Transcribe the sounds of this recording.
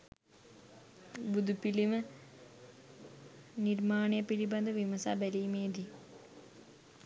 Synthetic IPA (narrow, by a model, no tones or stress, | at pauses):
bud̪ʱupilimə | niɾmaːɳejɐpiɾibɐnd̪ɐʋimɐsabɛliːmeːd̪i